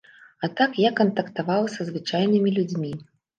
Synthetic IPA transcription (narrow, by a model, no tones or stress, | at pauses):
at̪akjakɐnt̪ɐkt̪avawsʲɐzvɨt͡ʂajnɨmʲilʲud͡zʲmʲi